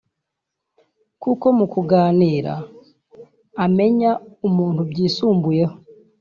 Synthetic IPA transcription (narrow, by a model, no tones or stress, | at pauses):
kuko̞mukuɡaːniːɾa̰ | me̞ɲaumuːntubɟiːsuːmbuje̞ho